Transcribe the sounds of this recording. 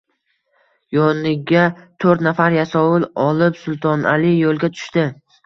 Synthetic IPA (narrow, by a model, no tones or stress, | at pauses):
jɒnɪɡʲat̪ʰoɾt̪nafaɾjasɒwɪlɒlɪpsʊlˠt̪ʰɒnʔa̰lɪjolˠɡʲat̪ʰʊ̥ʃt̪ɪ